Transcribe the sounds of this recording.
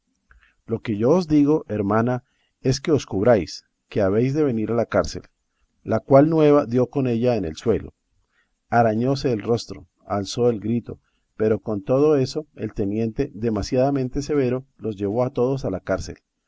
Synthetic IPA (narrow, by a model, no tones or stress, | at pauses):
lo̞ke̞ʝo̞ːzd̪iɣo̞ʔe̞ɾmana | e̞ske̞o̞skuβɾajs | ke̞aβ̞ejzd̪e̞βe̞niɾalakaɾse̞̰l | lakwalnwe̞βaðjo̞ko̞ne̞ʝaene̞lswe̞lo̞̰ | aɾaɲo̞s̬e̞ːlro̞st̪ɾo̞̰ | also̞e̞lɡɾit̪o̞̰ | pe̞ɾo̞ko̞nt̪o̞ð̞o̞e̞so̞e̞lt̪e̞nje̞nt̪e̞ðe̞masjaðamẽ̞nt̪e̞se̞βe̞ɾo̞lo̞zʝe̞βo̞at̪o̞ðosalakaɾse̞̰l